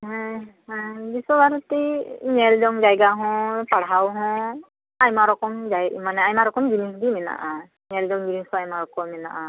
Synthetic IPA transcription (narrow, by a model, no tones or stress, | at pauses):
ɦahabisɔbaɾutinɛldɔŋd͡ʒajɡaɦɔ̃paɽɦawɦɔ̃ | ajmaɾɔkɔmd͡ʒajmanɛajmaɾɔkɔmɡinisdimɛna̰ʔa | nɛldɔŋd͡ʒinisɔajmaɹɔkɔmːɛna̰ʔã